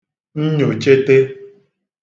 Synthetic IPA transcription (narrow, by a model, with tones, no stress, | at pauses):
n̩˦ɲo˨t͡ʃe˦te˦